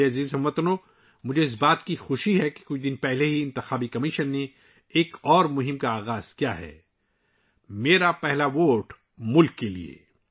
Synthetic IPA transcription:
eɐziːzɦɐmːɐt̪noː | mʊd͡ʒʱeɪs̬baːt̪kixʊʃiɦɛke̥kʊt͡ʃʰd̪ɪnpɛɦleɦiɪ̃nt̪ɪxaːbikɐmɪʃənːe | eːkɔːɾmʊɦɪ̃mkaaːɣaːz̥kija̰ɦɛ̰ː | meːɾapɛɦlaʋoːʈ | mʊlkːelḭḛː

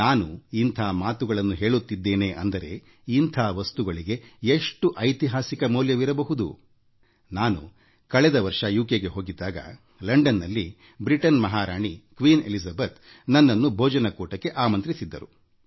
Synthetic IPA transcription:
naːnuint̪ʰaːmaːt̪uɡɐɭɐnːuɦe̞ːɭut̪ːid̪ːeːne̞ːʔɐ̰nd̪ɐɾe̞̰ | int̪ʰaːʋɐst̪uɡɐɭiɡe̞eʂʈuʔɐjt̪iɦaːsikɐmuːljɐʋiɾɐbɐɦud̪ṵ | naːnṵ | kɐɭɛd̪ɐʋɐɾʂɐjuːkeɡeɦo̞ːɡid̪ːaːɡɐ̰ | lɐɳɖɐnːɐlːi | bɾiʈɐnmɐɦaːɾaːɳikʋiːnḛlizɐbɐt̪ | nɐnːɐnːubʱɔːd͡ʒɐnɐkuːʈɐkːe̞ʔaːmɐnt̪ɾisid̪ːɐɾṵ

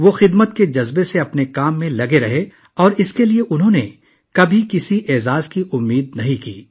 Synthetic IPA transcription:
ʋoxɪd̪mət̪ked͡ʒɐzbeseɐpnekaːmːẽlɐɡeɾɐɦe | ɔːɾɪskelieʔʊnɦõne | kɐbʱikɪsiʔɛːzaːzkiʔʊmːiːd̪̚nɐɦĩkḭː

